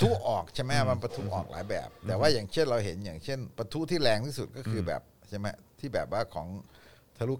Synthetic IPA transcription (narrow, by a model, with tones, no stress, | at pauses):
t̪ʰu˦˥ʔɔː˨˩k̚t͡ɕʰa˥˩jmɛ˦˥ma˧npa˧t̪ʰu˦˥ʔɔ̰ː˨˩k̚la̰ː˩˦jbɛ̰ː˨˩p̚t̪ɛː˨˩waː˥˩jaː˨˩ŋt͡ɕʰe˥˩nɾa˧wɦe˩˦njaː˨˩ŋt͡ɕʰe˥˩npa˧t̪ʰu˦˥t̪ʰiː˥˩lɛː˧ŋt̪ʰiː˥˩su˨˩t̪̚kɔː˥˩kʰɯː˧bɛ̰ː˨˩p̚t͡ɕʰa˥˩jma˦˥t̪ʰiː˥˩bɛː˨˩p̚waː˥˩kʰɔ̰ː˩˦ŋ | t̪ʰa˧lu˦˥˩